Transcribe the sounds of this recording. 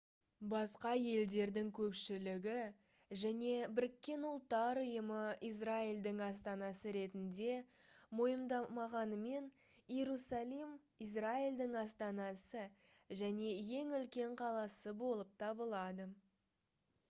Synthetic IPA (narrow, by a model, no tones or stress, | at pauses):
bɑsqɑje̞ld̪e̞ɾd̪ɪŋkʲʰɵpʃɪlɪɡʲɪ | ʒæne̞bɪɾɪkʲːe̞nʊlˠt̪ːɑɾʊjəməijs̬raild̪ɪŋɑs̬t̪ɑnɑsəɾe̞t̪ɪnd̪e̞mo̞jəmd̪ɑmɑʁɑnəme̞n | jeɾusɑlˠim | ijs̬raild̪ɪŋɑst̪ɑnɑsə | ʒæne̞je̞ŋʏlkʲe̞ɴqʰɑlˠɑsəbo̞lˠəp̚t̪ʰɑbəlˠɑd̪ə